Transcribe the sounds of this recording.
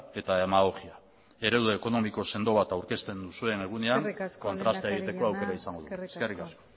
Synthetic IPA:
e̞t̪aemaɣo̞xia | e̞ɾe̞wðeːko̞no̞miko̞se̞nd̪o̞β̞at̪awɾke̞st̪e̞nd̪usue̞ne̞ɣ̞une̞aŋko̞nt̪ɾast̪eeɣit̪e̞ko̞awke̞ɾaisaŋɡo̞ðueskesrikasko

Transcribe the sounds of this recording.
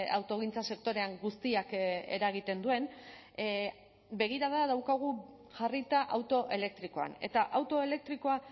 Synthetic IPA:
a̰wt̪o̞ɣ̞int͡sase̞kt̪o̞ɾe̞aŋɡust̪iake̞̰ɾaɣ̞it̪e̞nd̪ue̞n | be̞ɣ̞iɾaðaðawkaɣ̞u | ʝarit̪aʔawt̪o̞ʔe̞le̞k̚t̪ɾiko̞a̰ne̞̰t̪aʔawt̪o̞e̞le̞k̚t̪ɾiko̞a

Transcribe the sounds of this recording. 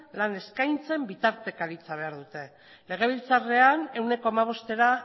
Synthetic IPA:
lane̞skajnt͡se̞mbit̪aɾt̪e̞kaɾit͡saβ̞e̞aɾðut̪e̞ | le̞ɣ̞e̞β̞ilt͡sare̞ane̞wne̞koamaβ̞o̞st̪e̞ɾa

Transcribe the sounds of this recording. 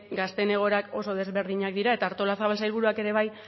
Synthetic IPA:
ɡast̪e̞ne̞ɣ̞o̞ɾako̞so̞ðe̞zβe̞ɾð̞iɲak̚d̪iɾae̞t̪aːɾt̪o̞lasaβalsajlβ̞uɾuake̞ɾe̞βaj

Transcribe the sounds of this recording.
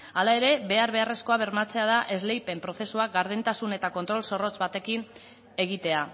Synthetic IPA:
alae̞ɾe̞βe̞aɾβe̞are̞sko̞aβ̞e̞ɾmat͡se̞að̞aʔe̞zle̞jpe̞mpɾo̞θe̞suakɡaɾð̞ent̪asune̞t̪ako̞nt̪ɾo̞lso̞rot͡sbat̪e̞kin | e̞ɣ̞it̪e̞a

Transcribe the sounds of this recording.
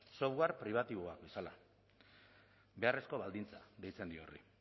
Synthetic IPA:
so̞fɣwaɾpɾiβ̞at̪iβoakbe̞sala̰ | be̞are̞sko̞βald̪int͡saðe̞jt͡se̞nd̪iorḭ

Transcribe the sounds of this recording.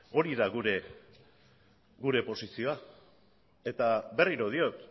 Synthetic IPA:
o̞ɾiðaɣuɾe̞ | ɡuɾe̞po̞sisio̞a | e̞t̪abe̞riɾo̞ð̞io̞t̪

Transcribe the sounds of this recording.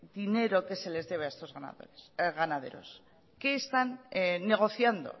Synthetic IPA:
d̪ine̞ɾo̞ke̞se̞le̞zðe̞β̞eaest̪o̞zɣana̰o̰ɣanaðe̞̰ɾo̞̰s | ke̞ːst̪anːe̞ɣ̞o̞θjand̪o̞̰

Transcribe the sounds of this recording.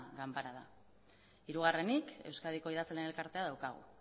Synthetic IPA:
ɣampaɾaða̰ | iɾuɣ̞are̞nike̞wskaðiko̞iðat͡slene̞lkaɾt̪e̞að̞awkaɣ̞ṵ

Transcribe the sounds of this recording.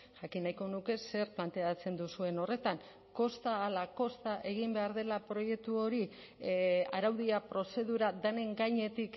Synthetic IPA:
ʝakinajko̞nuke̞se̞ɾplant̪e̞at͡se̞nd̪usue̞no̞re̞t̪aŋ | ko̞st̪aːlako̞st̪aʔe̞ɣ̞imbe̞aɾðe̞lapɾo̞je̞k̚t̪uo̞ɾi | a̰ɾawðiapɾo̞se̞ðuɾad̪ane̞ŋɡajɲe̞t̪ik

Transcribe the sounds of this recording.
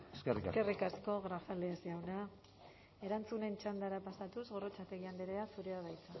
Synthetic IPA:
eskerieakerikasko̞ɣɾafaleːsawna | e̞ɾant͡sune̞nt͡ʃand̪aɾapasat̪uzɣo̞rot͡ʃat̪e̞ɣiand̪eɾeasuɾeaβajt͡sa

